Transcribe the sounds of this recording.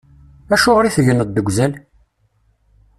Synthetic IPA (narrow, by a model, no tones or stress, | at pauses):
æʃʊʁɾiθəʝənəd̪ːəɡʷzæl